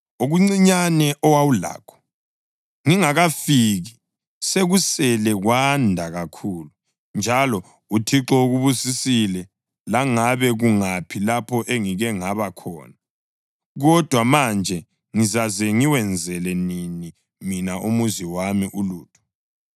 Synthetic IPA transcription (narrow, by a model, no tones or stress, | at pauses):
oɣuŋ͡ǀiɲanɛʔɔwawula̰ːkʰɔ̥ | ŋiŋaɣafiɣi | seɣusɛlɛɣwandʱaɣakʰuːlu | nd͡ʒʱalɔ | utʰiǁɔuɣuβusisilɛ | laŋaβɛɣuŋapʰilapʰɔʔeŋiɣɛŋaβakʰɔ̰ːna | ɣɔd̥ʱwamand͡ʒʱɛ | ŋizazɛŋiwɛnd͡zʱɛlɛnini | minaʔumuziwamiʔuluːtʰʼu̥